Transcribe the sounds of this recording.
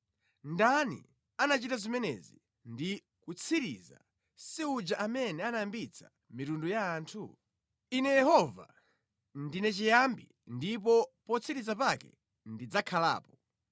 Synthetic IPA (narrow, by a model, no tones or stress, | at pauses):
ndanḭ | anat͡ʃitazimɛnɛ̰zi | ndi | kut͡sʰiɾḭza̰ | siud͡ʒaʔamɛnɛanajambit͡sʰḁ | mitundujaːntʰṵ | inɛjɛhɔva̰ | ndinɛt͡ʃijambi | ndip̬ɔpɔt͡sʰiɾizapakɛ̰ | ndid͡zakʰala̰ːpɔ